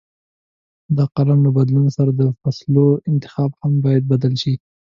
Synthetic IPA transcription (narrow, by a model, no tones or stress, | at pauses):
d̪əqaɾanlabad̪lunosaɾad̪əfasloɪnt̪ɪ̥xɑbhambɑjad̪̚bad̪alʃi